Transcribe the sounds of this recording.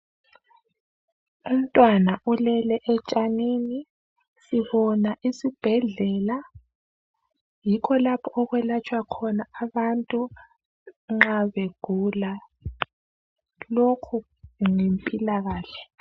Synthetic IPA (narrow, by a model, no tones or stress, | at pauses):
um̩tʼwanaʔulɛlɛʔɛt͡ʃʼanini | siβɔnaʔisib̥ʱɛɮɛːla | jikʰɔlapʰɔʔɔɣwɛlat͡ʃʼwakʰɔnaːβantʼu | ŋ͡ǁaβeɡ̥ʱula | lokʰu | ŋempʼilaɣaːɬɛ̥